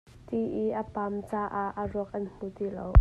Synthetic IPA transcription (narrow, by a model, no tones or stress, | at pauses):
t̪iʔiʔɐpamt͡saːʔaʔəruək̚ʔɐnm̥ut̪ilo̰w